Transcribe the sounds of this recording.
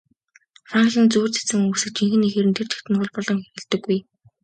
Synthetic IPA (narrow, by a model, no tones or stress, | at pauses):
fraŋɮĭnt͡suːrt͡sʰe̥t͡sɘ̆ŋuːksɘ̆k̚t͡ɕiŋxɘ̆nːixeːɾɘ̆nt̪ʰer̥t͡ɕʰĕ̥xt̪ɘ̆nʰʊ̆ɮpɔɮɞ̆ŋxeɣĕɮt̪ɘ̆ɡːuj